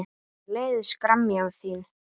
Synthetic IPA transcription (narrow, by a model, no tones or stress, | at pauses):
leːjðskɾamːjawθiːn